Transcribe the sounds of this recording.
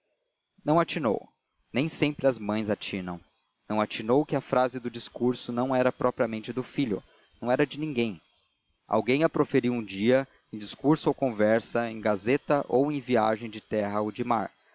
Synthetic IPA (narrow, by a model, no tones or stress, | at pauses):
nɐ̃w̃at͡ʃino̰w | nẽj̃sẽmpɾɪɐzmɐ̃j̃zat͡ʃĩnɐ̃w̃ | nɐ̃w̃at͡ʃinowkɪɐfɾazɪd̪ʊd͡ʒiskuɾsʊnɐ̃w̃ɛɾɐpɾʔɔpɾiɐmẽnt͡ʃɪd̪ʊfiʎʊ̰ | nɐ̃w̃ɛɾɐd͡ʒɪnĩɡẽj̃ | a̰wɡẽj̃ɐpɾofeɾiwũd͡ʒiɐ | ẽj̃d͡ʒiskuɾsʊowkõvɛɾsɐẽj̃ɡazet̪ɐʔowẽj̃via̰ʒẽj̃d͡ʒɪt̪ɛɦɐowd͡ʒɪma̰ɾ